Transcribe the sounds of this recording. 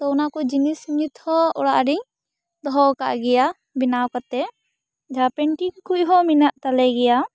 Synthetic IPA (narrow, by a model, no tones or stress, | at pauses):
t̪ɔunakɔd͡ʒinisuɲit̪hɔɔ̰ɽaʔɖiɲ | d̪ɔɦɔka̰ʔɡɛja | binawkat̪ɛ | d͡ʒʱapɛɳʈiŋkuʔɦɔminaʔt̪alɛɡɛja